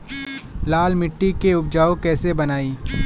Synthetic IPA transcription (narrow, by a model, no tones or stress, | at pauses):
laːlmɪʈːikeʊb̚d͡ʒaːokɛːsebɐnaːiː